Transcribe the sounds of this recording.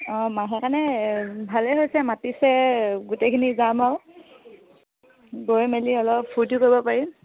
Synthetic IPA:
ɔ̃maɦɛkanɛbʱalɛɦojsɛmatisɛɡutekʰinizamaʊ | ɡoɹmeliɔlɔppʰːutukoɹibɔpaɹi

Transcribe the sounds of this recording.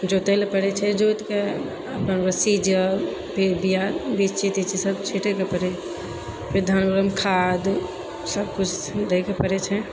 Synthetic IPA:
d͡ʒot̪ɛlpəɽɛt͡ʃʰɛd͡ʒot̪ke | əpənɾəsid͡ʒə | pʰiɾbijabid͡ʒt͡ʃʰit̪it͡ʃʰisəbt͡ʃʰiʈekepəɾɛ | pʰiɾd̪ʱanbəɾəmkʰad̪ | səb̚kut͡ʃʰd̪ekʰepəɾɛt͡ʃʰɛ

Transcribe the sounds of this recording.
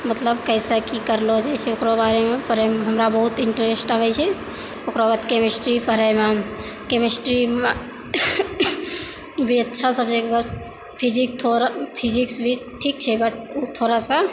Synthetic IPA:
mət̪ləbkəɪsakikəɾlod͡ʒajt͡ʃʰɛokɾobaɾemepʰəɾemɦəmɾabəɦut̪iɳʈɾesʈabɛt͡ʃʰɛ | okɾobət̪kemisʈɾipʰəɾəjmakemisʈɾi | bʱiətːʃʰasəbd͡ʒekebə | pʰid͡ʒik̚t̪ʰoɾpʰid͡ʒiksbʱiʈʰikt͡ʃʰɛbəʈ̚ʰut̪ʰoɾasa

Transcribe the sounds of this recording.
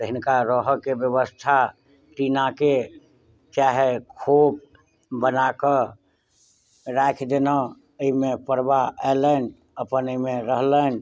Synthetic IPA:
t̪əɦinkaɾəɦəkebjəβəst̪ʰa | t͡ʃinake | t͡ʃaɦekʰop̚ | bənakə | ɾakʰd̪enə | əimepəɾbaɛlən | əpənimeɾəɦlən

